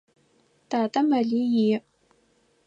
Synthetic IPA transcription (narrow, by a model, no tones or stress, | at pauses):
d̥aːtʼɐmɐɮijiː